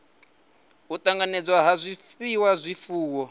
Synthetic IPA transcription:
ut̪aŋɡanɛd͡zwaɦazʷifiwazʷifuːwɔ

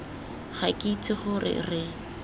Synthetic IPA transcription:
χakʼit͡sʼɪχʊrɪ̰rɪ

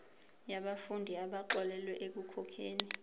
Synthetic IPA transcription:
jaɓafundʱiaɓaǃɔlɛlwɛʔek̬ukʰɔkʰeːni

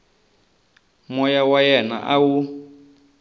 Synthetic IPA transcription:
mɔjawajɛna̰ʔawu

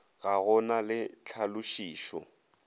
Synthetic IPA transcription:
ɣaɣɔnalɪt͡ɬʰalʊʃiːʃɔ̰

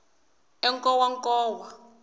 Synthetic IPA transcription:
ɛŋkʼɔwaŋkʼɔːwa

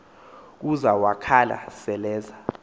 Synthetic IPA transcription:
k̬uzawakʰala̰sɛlɛːza

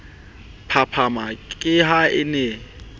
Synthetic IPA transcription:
pʰapʰamakʼɪɦaɪne

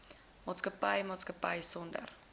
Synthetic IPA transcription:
mɑːtskəpəjmɑːtskəpəjsɔndə̰r

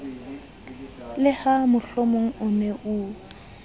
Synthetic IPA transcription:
lɪhamʊɬomoŋ̩ʊnɛʔʊ

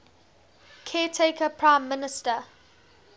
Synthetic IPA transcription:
kʰɛːtʰeɪkəpʰɹãɪ̃mːɪnɪstə

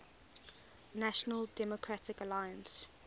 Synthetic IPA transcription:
naʃənəldɛmɔkʰɹatɪkəlajə̃ns

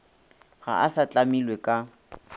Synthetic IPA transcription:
ɣa̰ʔasat͡ɬʼamilwekʼa

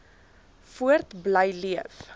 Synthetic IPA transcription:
fuərtbləjliəf

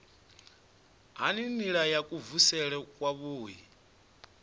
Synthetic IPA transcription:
ɦaniniɺajakʼuvusɛɺɛkʼwaβoːɦi

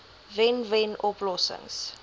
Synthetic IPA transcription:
vɛnvɛnɔplɔsɪ̰̃ŋs

